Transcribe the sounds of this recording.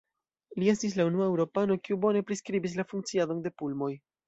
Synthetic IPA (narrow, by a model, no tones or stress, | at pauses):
lie̞stis̬launuaewɾo̞pano̞kiubo̞ne̞pɾiskɾibis̬lafuŋk̚t͡siado̞nde̞pulmo̞j